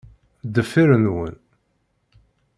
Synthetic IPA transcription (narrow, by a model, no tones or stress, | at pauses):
d̪əfiɾənwə̰n